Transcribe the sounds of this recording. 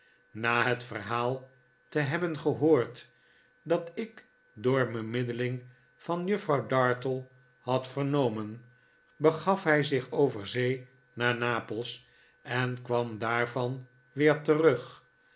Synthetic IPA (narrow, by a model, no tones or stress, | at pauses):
naːɦətfərɦaːlˠ | təɦɛbənχəɦoːɹt | dɑtɪk | dʊːɹbəmɪdəlɪŋ | v̥ɑnjɵfrɑwdɑɹtəlˠ | hɑtfəɹnowmən | bəχɑfɦɛjzɪχowvəɹzej | naːɹnaːpəlˠs | ɛnkʋɑmdaːɹvɑn | ʋɪːɹtərɵχ